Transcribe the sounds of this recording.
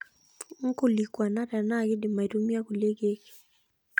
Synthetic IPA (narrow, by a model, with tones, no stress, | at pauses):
ŋ̩˦ko˦˨li˨kwa˨na˦ta˨na˦˨ɡɪ˦dɪ˨ma˨i˨tu˦mja˦ku˨le˦ɡe˦k